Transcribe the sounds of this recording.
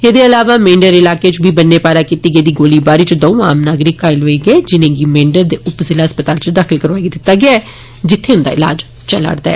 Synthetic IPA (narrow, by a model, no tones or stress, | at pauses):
eːd̪eːəlaːʋaːmẽːɳɖəɾɪlaːkeːt͡ʃbʱiːbənːeːpaːɾaːkiːt̪iːɡəːd̪iːɡoːliːbaːɾiːt͡ʃd̪ɔ̃ũaːmnaːɡɾɪkːaːɪlɦoːiːɡəed͡ʒɪnẽːɡiːmẽːɳɖəɾd̪eːʊpzɪlaːəspət̪aːlt͡ʃd̪aːkʰɪlkəɾʋaːid̪ɪt̪ːaːɡɪaːɛː | d͡ʒɪt̪ʰːeːʊnd̪a̰ːɪla̰ːd͡ʒ | t͡ʃəla̰ɽd̪a̰ɛː